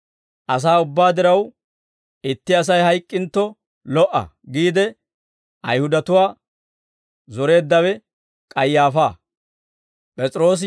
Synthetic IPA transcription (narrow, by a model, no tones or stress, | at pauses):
ʔɐs̬aːʊbːaːd̪ɪɾɐw | ɪt̪ːɪɐs̬ɐjɦɐjkʼːɪnt̪ːɔ | lɔʔɐ̰ɡiːd̪ɛ | ɐjhʊd̪ɐt̪ʊwaː | zɔɾe̞ːd̪ːɐwɛ | kʼɐjːaːfaː | pʼɛt͡sʼɪɾo̞ːs̬